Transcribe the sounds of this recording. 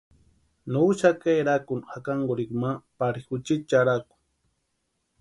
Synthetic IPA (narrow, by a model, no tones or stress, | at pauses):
nuʃakajɾakunxakaŋɡʊɾikmapaɾixut͡ʃit͡ʃaɾaku̥